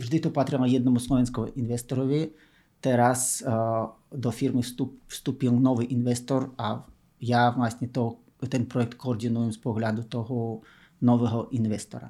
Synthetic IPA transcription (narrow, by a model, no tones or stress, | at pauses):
vʐd̪ɪt̪ɔpat̪ɾʲɛlˠɔjɛd̪nɔmuslˠɔʋʲɛnskɔɦɔʔinʋɛst̪ɔɾɔʋʲi | t̪ɛɾas | d̪ɔfʲiɾmɨfst̪upfst̪upʲilˠnɔʋɨʔinʋɛst̪ɔra | javlˠasʲnʲɛt̪ɔ | t̪ɛnpɾɔɛk̚t̪kɔːrd̪ʲinujɛmspɔɣlʲad̪ʊt̪ɔɦɔ | nɔʋɛɦɔʔinvɛst̪ɔɾa̰